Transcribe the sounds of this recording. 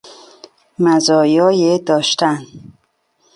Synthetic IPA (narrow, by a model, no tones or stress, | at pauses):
mazɒːjɒːjed̪ɒːʃt̪æn